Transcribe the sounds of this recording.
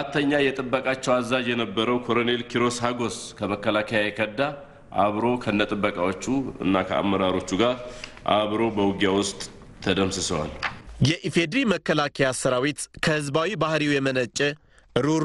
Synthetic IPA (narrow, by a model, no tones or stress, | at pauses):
at̪ʰːəɲːajɛt̪ʼɨbːəkʼat͡ʃːɛwazːad͡ʒjɛnəbːəɾəwkʰo̞ɾone̞lkʰiɾo̞shaɡo̞skʰəməkːəlakʰəjajɛkʰəd̪ːa | ʔa̰βɾo̞kʰəɨnːət̪ʼɨbːəkʼawo̞t͡ʃːuɨ̰nːakʰəa̰mːəɾaɾo̞t͡ʃːuɡaɾʔa̰βɾo̞bəwʊɡjawʊst̪ʼʰː | əd̪əmsɨsəwa̰ljɛʔifed̪ɾiməkːəlakʰəjasəɾawit̪kʰəhɨzbawibahɾiwjɛmənət͡ʃʼːɛ | ɾu